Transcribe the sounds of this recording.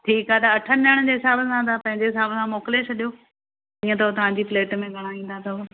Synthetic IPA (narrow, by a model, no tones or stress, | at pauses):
ʈʰiːkaɦɛt̪ɐɐʈʰənəɽ̃d͡ʑeɦɪsaːbəsãt̪apɐ̃ɦɪ̃ɲd͡ʑeɦɪsaːbəsãmoːkɪlet͡ɕʰɐɗijo | iːə̃t̪ɐot̪ɐʋ̤ãɲd͡ʑiːpleːʈmẽɡʱɐɽ̃aʋĩːn̆d̪at̪ʰo